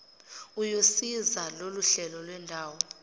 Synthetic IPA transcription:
ujosizaloluɬɛlɔlwɛndʱaːwɔ

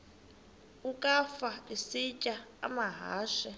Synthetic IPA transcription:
ukʼafaisicʼa̰ːmaɦa̰ːʃɛ

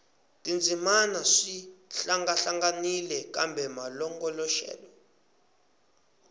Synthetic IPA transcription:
tʼind͡zʱimanaʂiɬaŋɡaɬaŋɡanilɛkʼambʱɛmalɔŋɡɔlɔʃɛ̰ːlɔ

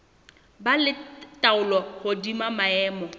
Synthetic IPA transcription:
balɪtʼaʊlɔhodimamaɛːmɔ

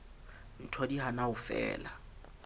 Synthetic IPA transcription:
n̩tʰodiɦanaʊfɛ̰ːla

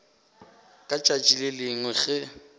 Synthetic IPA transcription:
kʼat͡ʃʼat͡ʃʼilelɪŋwɛɣɛ

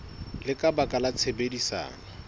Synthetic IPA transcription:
lɪkʼabakʼalat͡sʰebedisa̰ːŋa

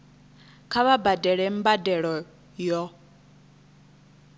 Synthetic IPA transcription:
kʰaβabadɛɺɛm̩badɛɺɔ | jɔ

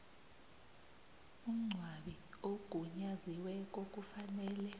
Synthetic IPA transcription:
um̩ŋ͡ǀʱwaɓioɡ̥ʱuɲaziwɛk̬ʼok̬ʼufanɛːlɛ

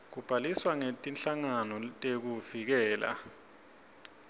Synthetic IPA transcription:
k̬ub̥ʱaliswaŋetʼinɬaŋanɔtʼek̬uvik̬ɛːla̰

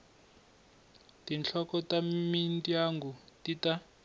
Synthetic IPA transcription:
tint͡ɬʰɔkɔtamintijaŋɡutita

